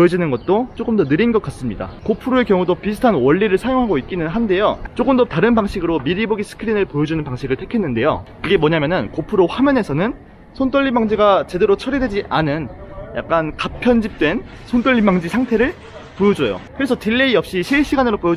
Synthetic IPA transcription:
ojʌd͡ʑinɯnɡʌt̚t͈ot͡ɕ͈oɡɯmdʌnɯɾinɡʌk͈̚as͈ɯmɲida̰kopʰɯɾoe̞kjʌŋudopisʰɯ̥tʰanwʌʎːiɾɯɭsʰajoŋɦaɡoit̚k͈inɯnɦande̞jot͡ɕ͈oɡɯmdʌtaɾɯnbaŋɕʰiɡɯɾomiɾiboɡisʰɯ̥kʰɯɾinɯɭpojʌd͡ʑunɯnpaŋɕʰiɡɯɭtʰekʰe̞nːɯnde̞jo̰kɯɡe̞mwʌɲamjʌnɯnkopʰɯɾoɸwamjʌne̞sʰʌnɯn | sʰont͈ʰoʎːimaŋd͡ʑiɡat͡ɕe̞de̞ɾot͡ɕʰʌɾided͡ʑiʔanɯnja̰k̚k͈ankapʰjʌnd͡ʑip̚t͈we̞n | sʰont͈ʰoɭːimaŋd͡ʑisʰaŋtʰe̞ɾɯɭ | pojʌd͡ʑʌjo̰kɯɾe̞sʰʌtiɭːeiʌp̚ɕ͈iɕʰiɭɕ͈ʰiɡanɯɾopojʌ

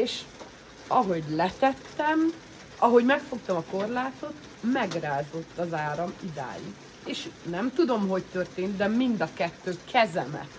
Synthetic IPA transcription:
eːʃ | ɒɦo̞ɟlɛt̪ɛt̪ːɛm | ɒɦo̞ɟmɛkfo̞kt̪ɒmɒko̞rlaːt̪o̞t̪ | mɛɡraːzo̞t̪ːɒzaːɾɒmid̪a̰ːjḭ | eːʃnɛmt̪ud̪o̞mɦo̞ct̪ørt̪eːnt̪d̪ɛmind̪ɒkɛt̪ːøːkʰɛzɛmɛ̰

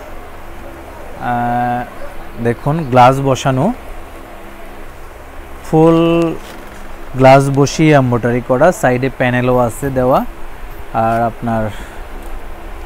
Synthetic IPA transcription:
d̪ekʰunɡlas̬bɔʃanu | pʰul | ɡlas̬boʃiambɔʈaɹikɔɹasajɖepɛneloased̪ɛwaː | ɹapnaɹ

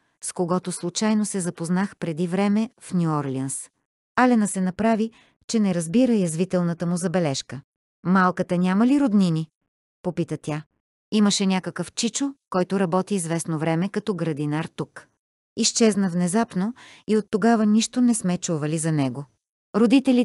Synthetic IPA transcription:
skoɡɔt̪oslˠut͡ʃajnosɛzɐpoznaxpɾɛd̪ivɾɛmɛfnʲuɔɾlʲiəns | alɛnəsɛnɐpɾavi | t͡ʃɛnɛɾɐzbiɾəjɐzvit̪ɛlˠnət̪əmʊzɐbɛlɛʃkə | malˠkət̪ənʲamɐliɾod̪nini | popit̪ət̪ʲja | iməʃɛnʲakəkəft͡ʃit͡ʃʊkɔjt̪ʊɾɐbɔt̪iːzvɛsnovɾɛmɛkɐt̪ɔɡɾɐd̪inaɾt̪uk | ist͡ʃɛznəvnɛzapnoiot̪ːoɡavəniʃt̪onɛsmɛt͡ʃuvɐlizɐnɛɡo | ɾod̪it̪ɛli

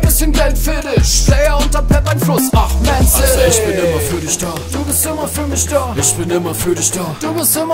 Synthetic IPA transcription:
nbɪsçənɡɛltfɪdɪʃz̥ɛːɐʊntɐpʰɛpaɪnflʊsamɛnsɪoɪçb̥ɪnʔɪmɐfyːɐdɪçd̥aːd̥uːbɪstɪmɐfyːɐmɪçd̥aːʔɪçb̥ɪnʔɪmɐfyːɐɾɪçd̥aːd̥uːbɪstʔɪmɐ

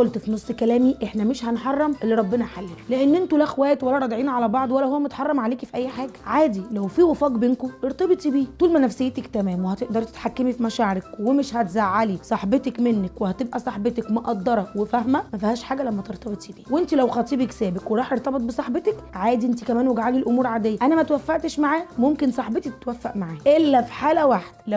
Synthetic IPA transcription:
ʔolt̪finosˤːkælæːmiʔeħnæmeʃhænħɑrˤːɑmʔelːiɾˤɑbːenæħalːiːleʔenːʔent̪ulæxwæːjt̪wælːæɾˤɑd̪ʕiːnʕalæbɑʕd̪ˤwælːæhowːæmet̪ħɑrˤːɑmʕaleːkfiʔæjːħaːɡæʕaːd̪ilæwfiːwefɑːɡbeːnkoʔeɾt̪ˤɑbet̪ˤibiːuːlmænæfsejːet̪ækt̪æmæːmwehæt̪eʔd̪ɑɾˤt̪e̥t̪ħakːemifimæʃaːʕeɾekwemeʃhæt̪zaʕːalisˤɑħbet̪ækmenːækwehæt̪ebʔæsˤɑħbet̪ækmoʔɑd̪ˤːɑɾˤɑwefæhmæmæfihæːʃħaːɡælæmːæt̪eɾt̪ˤɑbet̪ˤibiːwʔent̪ilæwxɑːt̪ˤiːbiksæːbekweɾˤɑːħʔeɾt̪ɑbet̪̚ˤbesˤɑħbet̪ekʕaːd̪iʔent̪ikæmæːnweɡaʕalilʔomuːɾʕaːd̪ejːæʔænæmæt̪wæfːæʔt̪eʃmaʕaːmomkensˤɑħbet̪it̪wæfːæ̰ʔmaʕaːʔelːæfi̥ħaːlæwaħd̪l

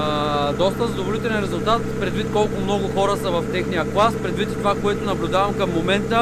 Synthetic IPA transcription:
d̪ɔst̪əzɐd̪oʊvolit̪ɛlɛnɾɛzʊlˠt̪at̪pɾɛd̪vit̪kɔlˠkʊmnɔɡʊxɔɾəsɐvɐft̪ɛxnijəklˠaspɾɛd̪vit̪t̪ovakoɛt̪ʊnɐblʲʊd̪avɐmkɐmːomɛnt̪ə

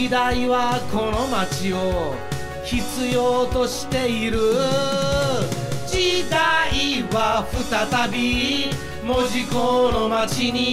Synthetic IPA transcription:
id̪aiβako̞no̞mat͡ɕio̞ | çit͡sɨjoːt̪o̞ɕi̥t̪e̞iɾɯ̟ | d͡ʑid̪aiβaɸɯ̟t̪at̪abʲi | mo̞ʑikonomat͡ɕiɲ̟i

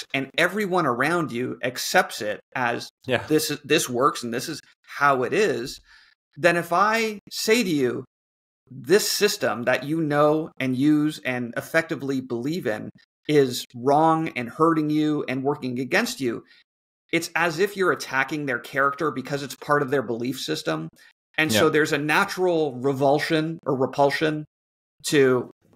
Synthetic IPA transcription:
ɨ̃nɛvɹiwʌ̃ñə˞ãʊ̃ndʉʔɨksɛp̚tsɪɾʔɨzjðɪsɨðɪswɜ˞ksn̩ðɪsɨz̥ | haʊɪɾɪz | ðɨ̃ñɨfaɪseɪɾɨjʉ | ðɪsɪstə̃mðɨt͡ʃɨnoʊɨ̃njʉzɨ̃nɨ̰fɛk̚tɨvlibəlivɪ̰̃n | ɪzɹɔ̃ŋɨ̰̃nhɜ˞ɾɪ̃ŋjʉʔɨ̰̃nwɜ˞kɪ̃ŋɨɡɛ̃nst͡ʃʉ̰ | ɨtsɨzɨfjə˞ɨtʰækɪ̃ŋðə˞kʰɛɹɨk̚tə˞bɨkʰʌzɨtspʰɑɹɾʌvðə˞bəlifsɪstə̃m | ɨ̃nsoʊðə˞zɨnæt͡ʃɹl̩ˠɹɨvʌlˠʃɨ̃nʔə˞ɹəpʰʌlˠʃɨ̃n | tʰɨ

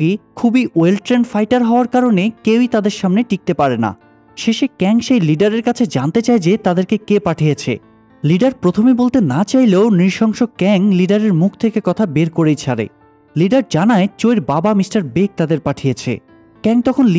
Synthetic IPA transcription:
ɡikʰubiʔoelʈɾenfajʈaɾɦɔoaɾkaɾonekewit̪ad̪eɾʃamneʈik̚t̪epaɾena̰ | ʃeʃekɛŋʃejliɖaɾeɾkat͡ɕʰed͡ʑant̪et͡ɕaed͡ʑet̪ad̪eɾkekepaʈʰijet͡ɕʰḛ | liɖaɾpɾot̪ʰomibolt̪enat͡ɕajleonɾiʃɔŋʃoɡ̚kɛŋliɖaɾeɾmuk̚ʰt̪ʰekekɔt̪ʰabeɾkoɾejt͡ɕʰaɾḛ | liɖaɾd͡ʑanaet͡ɕojɾbabamisʈaɾbek̚t̪ad̪eɾpaʈʰijet͡ɕʰḛ | kɛŋt̪ɔkʰonl

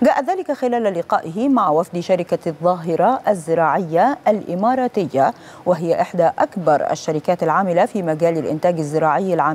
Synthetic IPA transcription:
ɡaːʔat̪ðaːlɪkaxɪlaːllɪqɑːʔɪɦɪmaʕwafd̪ʃaɾɪkaðˤːɑːɦɪɾˤɑʔazːɪɾɑːʕɪjːalʔɪmɑːɾˤɑːt̪ɪjːa | waɦɪjaʔɪħd̪aʔakbɑɾˤa̰ʃːaɾɪkaːt̪alʕaːmɪlafiːmaɡaːlɪlʔɪ̰nt̪aːɡazːɪɾɑːʕɪjːalʕaːm

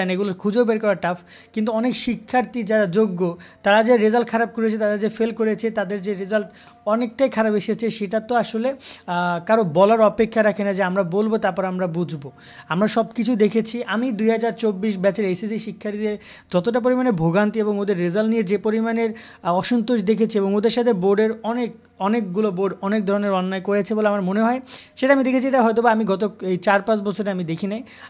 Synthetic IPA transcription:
neɡuloɾkʰud͡ʑobeɾkɔɾaɾʈaf | kint̪uɔnekʃikʰːaɾt̪id͡ʑaɾad͡ʑoɡːot̪aɾad͡ʑeɾezalʈ̚kʰaɾab̚koɾet͡ɕʰet̪ad̪eɾd͡ʑefelkoɾet͡ɕʰet̪ad̪eɾd͡ʑeɾezalʈ | ɔnek̚ʈajkʰaɾabeʃet͡ɕʰeʃeʈat̪oaʃole | kaɾobɔlaɾɔpekʰːaɾakʰenad͡ʑeamɾabolbot̪aɾpɔɾeamɾabud͡ʑʱbo | amɾaʃɔbkit͡ɕʰud̪ekʰet͡ɕʰiʔamid̪ujɦad͡ʑaɾt͡ɕobːiʃbɛt͡ɕʰeɾajsisiʃikʰːaɾid̪eɾ | d͡ʑɔt̪oʈ̬ap̬oɾimaneɾbʱoɡant̪ieboŋod̪eɾːezalnijed͡ʑepoɾimaneɾ | ɔʃont̪oʃd̪ekʰet͡ɕʰieboŋod̪eɾʃat̪ʰeboɾɖeɾɔnek | ɔnekɡuloboɾɖɔnek̚d̪ʱɔɾoneɾɔnːaekoɾet͡ɕʰiboleamaɾmoneɦɔeʃeʈaamid̪ekʰet͡ɕʰieʈaɦɔjt̪obaamiɡɔt̪oejt͡ɕaɾpat͡ɕbɔt͡ɕʰoɾʈaamid̪ekʰinaj

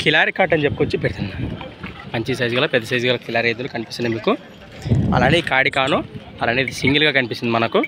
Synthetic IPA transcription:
kʰilaːɾikaːʈɐnt͡ʃepːukot͡ʃːipeɾit̪und̪imɐɲt͡ʃis̬ɐjd͡ʒuɡalɐpɛd̪ːɐsɐjd͡ʒɡalakilaːɾied̪̬ulukɐnipist̪ɐnɐmiːku | ɐ̰laːnid̪ikaːɽikaːnu | ɐlaːniːd̪isiŋɡilɡaːkɐnipisind̪imɐnɐku

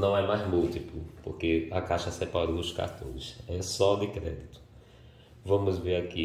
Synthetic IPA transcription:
nɐ̃w̃ɛmajzmuwt̪iplʊpoɾkeakaʃɐsɛpaɾoʊska̰ɾt̪õ̰ɾɪsɛsɔd̪ɪkɾɛ̰d̪it̪ʊ̥ | vɐ̃mʊzveɾaki

